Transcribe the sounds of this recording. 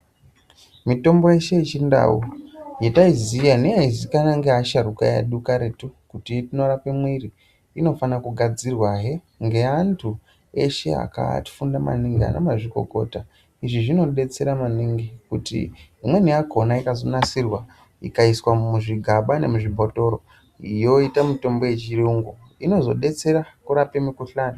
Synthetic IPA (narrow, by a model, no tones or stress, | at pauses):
mito̞mbo̞jeʃe̞it͡ʃinda̰ujetaizijaneaizikanaŋɡeaʃaɾukaja̰ɗukaɾe̞tukutitino̞rapemwiɾiː | no̞fanakuɡʱad͡zirwaɦe | ŋɡe̞antʰu | e̞ʃe̞̰a̰ka̰ti̥fundama̰niŋɡia̰nḛmaʐiko̞̰ko̞̰ta | iʐiʐino̞ɗe̞t͡se̞ɾamaniŋɡikutḭimwe̞niakonaikazo̞nasirwa | ḭkaiswamuʐiɡʱaɓane̞̰muʐibʱo̞to̞ɾo | ijo̞itamito̞mbo̞jet͡ʃiɾuŋɡo | ino̞zo̞̰ɗe̞t͡se̞ɾakuɾapemikuɬani